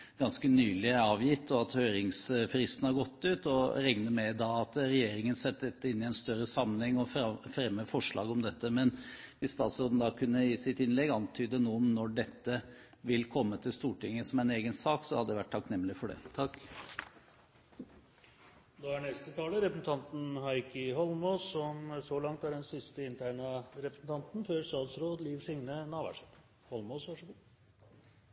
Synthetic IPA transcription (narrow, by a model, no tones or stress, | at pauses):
ɡ̥ɑnskənyːlɪɑːʋjɪt̪ːɔɑt̪hœʏɾɪŋsfɾɪst̪n̩hɑɾɡɔt̪ːʉːt̪ɔɾɛŋnəmɛd̪ɑɑt̪ɾɛjeːɾɪŋənsɛt̪ːd̪ɛt̪ːəɪnːɪæɪnst̪œɾəsɑmənhɛŋːɔffɾɛmːəfɔʂɭɑ̰ːɡɔmd̪ɛt̪ːəmɛnʋɪst̪ɑːt̪sɔɾd̪n̩d̪ɑkʰʉnːəjiːsɪt̪ɪnlɛɡɑnt̪ʰyːd̪ənuːɔmnɔɖɛt̪ːə | ʋɪlkʰɔmːət̪ʰɪlst̪uːʈɪŋːəsɔmæɪneːɡənsɑːksɔ̰hɑd̪əd̪ɛʋæʈ̚ʰːɑknɛmːlɪfɔɖɛ̰ːt̪ʰɑkː | d̪oːæɳɛst̪ət̪ʰɑːləɾɛpɾəsn̩t̪ʰɑnt̪n̩hɑɪkəɦɔlmoːsɔmsɔlɑŋt̪æɖɛnsɪst̪əɪnt̪ʰæɪɳɑɾɛpɾəsn̩t̪ɑnt̪n̩føːɾst̪ɑːt̪sɾoːd̪liːʋsɪŋnənɑːʋæ̰ʂən | hɔlmoːsʋɑʂəɡuː